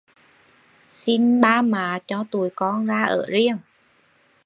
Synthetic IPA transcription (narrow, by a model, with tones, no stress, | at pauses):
si˧nɓaː˧maː˨˩˦t͡ɕɔ˧t̪u˨˩əjkɔ˧nzaː˧ʔəː˧˩zi˧əŋ